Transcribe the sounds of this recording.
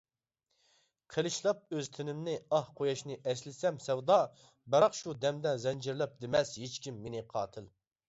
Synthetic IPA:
qʰelˠɨʃlˠɑp̚øz̥t̪ʰenɪmnɪɑhqʰojɑʃnɨʔɛslɪsɛmsɛwd̪ɑ | bɑɾɑqʃud̪ɛmd̪ɛzɛnd͡ʒɪɾlˠɛp̚d̪ɪmɛshet͡ʃkʲimːenɪqʰɑːt̪ʰɨl

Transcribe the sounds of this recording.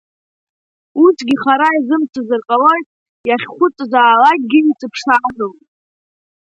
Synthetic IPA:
usʰɡʲiχaɾaizɨmt͡sʷʰazɨrqʼalo̞jtʼ | jaχʲχʷʊt͡sʼzʷaːlak̚ʼɡʲɪit͡sʼɨpʰʂaːnɨl

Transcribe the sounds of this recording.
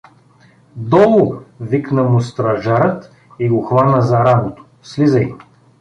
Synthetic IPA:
d̪ɔlˠʊviknəmʊst̪ɾɐʒaɾət̪ | iɡoxvanəzɐɾab̪ot̪o̥ | slizəj

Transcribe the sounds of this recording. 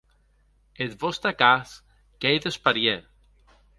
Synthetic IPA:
et̪vost̪ɐkas | kejðespɐɾjeɾ

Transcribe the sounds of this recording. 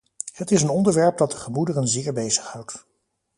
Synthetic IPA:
hətɪsənɔndəɹʋɛɹp̚dɑt̚dəχəmudərənzɪːɹbejzə̥χhɑwt

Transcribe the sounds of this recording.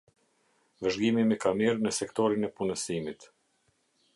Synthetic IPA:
vəʒɡimimɛkamiɾnəsɛkt̪ɔɾinɛpunəsimit̪

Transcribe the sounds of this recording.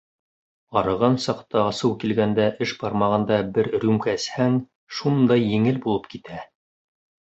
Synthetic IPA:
ɑɾɤ̆ʁɑnsɑqt̪ɑɑsɤwkilɡænd̪æʔɘʃbɑɾmɑʁɤ̆nd̪ɑbɘɾɾʉmkæshæŋ | ʃund̪ɑjːɘ̆ŋɘlbulˠɤp̚kit̪æ

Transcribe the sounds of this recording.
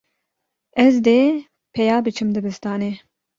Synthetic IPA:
ɛzd̪eː | pʰɛjaːbɨt͡ʃʰɨmd̪ɨbɨst̪ɑːne

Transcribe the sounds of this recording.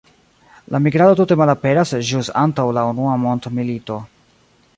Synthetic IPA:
lamiɡɾadotute̞malape̞ɾasd͡ʒusantawlaunuamo̞ntmilito̞

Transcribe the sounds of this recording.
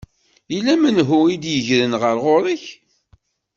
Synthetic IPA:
ilæmənɦʊid̪jəʝɾənʁəɾʁoɾˤiç

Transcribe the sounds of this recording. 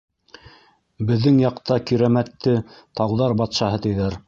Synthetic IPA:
bɘ̆ðːɘŋjɑqt̪ɑkiɾæmæt̪ːɘt̪ɑwðɑɾbɑt̪ʃɑɦɤt̪ɘ̆jðæɾ

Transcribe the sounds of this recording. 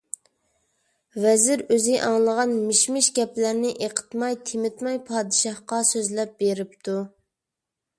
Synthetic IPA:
vɛzɪɾøzɪʔɑŋlˠəʁɑnmɪʃmɪʃɡʲɛplæɾnɪʔeqʰə̥t̪mɑjt̪ʰɪmɪt̪mɑjpʰɑːd̪ɨʃɑhqɑsøzlɛp̚beɾɪpt̪ʰu

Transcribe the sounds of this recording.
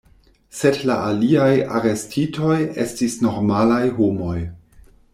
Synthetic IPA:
se̞dla̰ʔaliaja̰ɾe̞stʰito̞je̞̰stisno̞ɾmalajɦomo̞j

